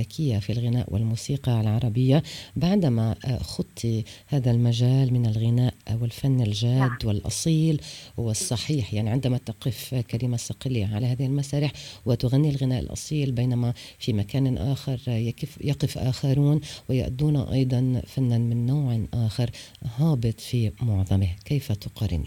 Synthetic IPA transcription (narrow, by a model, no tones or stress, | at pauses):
akʰɪjːafilɣɪna̰ːʔwɪ̰lmuːsiːqɑlʕɑɾˤɑbɪjːabaʕd̪amaxʊt̪ˤʰːihaːðalmaʒaːlmɪnalɣɪnaːʔwɪlfanːɪlʒaːd̪ːwɪlʔɑ̰sˤiːlwɪsˤːɑħiːħjaʕniʕɪnd̪amat̪aqɪfkalɪmasɑqɪlːiʕalahaːðɪhɪlmasaːɾɪħwɪt̪ʊɣanːilɣɪnaːʔɪ̰lʔɑ̰sˤiːlbejnamafimakaːnʔaːxɪɾˤjakɪfjɑqɪfʔa̰ːxaɾˤuːnwɪja̰ʔd̪uːnaʔɑ̰jd̪ˤɑnfanːanmɪnːawʕʔaːxɑɾˤ | hɑːbɨt̪ˤfimʊʕðˤɑmɪhkejfat̪ʊqɑɾˤɪ̰nḭ